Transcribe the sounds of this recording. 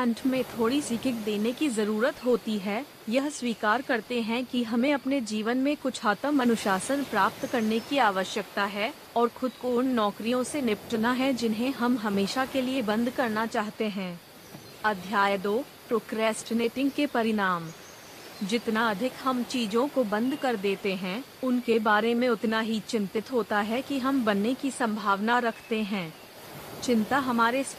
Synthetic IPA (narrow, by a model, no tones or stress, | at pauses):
ɛ̃ɳʈmẽt̪ʰoːɽisɪkʰɪkd̪eːnekizɐɾuːɾət̪ɦoːt̪iɦɛ | jɐɦswiːkaːɾkɐɾt̪eɦɛ̃kiɦɐmẽɐpned͡ʒiːʋənmẽkʊt͡ʃʰaːt̪əmɐnʊʃaːsənpɾaːp̚t̪kɐɾnekiaːʋəʃjək̚t̪aɦɛ | ɔːɾxʊd̪konːɔːkɾijõsenɪpʈnaɦɛd͡ʒɪnɦẽɦɐmɦɐmeːʃakeliebɐ̃nd̪ʱkɐɾnat͡ʃaːɦt̪eɦɛ̃ː | ɐd̪ʱjaːjəd̪oː | pɾoːkɾɛːsʈneːʈɪ̃ŋɡkepɐɾɪnaːm | d͡ʒɪt̪naɐd̪ʱɪkɦɐmt͡ʃiːd͡ʒõkobɐ̃nd̪ʱkɐɾd̪eːt̪eɦɛ̃ʊnkebaːɾemẽʊt̪naɦit͡ʃɪ̃nt̪ɪt̪ɦoːt̪aɦɛkiɦɐmbɐnːekisɐ̃mbʱaːʋnaɾɐkʰt̪eɦɛ̃ː | t͡ʃɪ̃nt̪aɦɐmaːɾes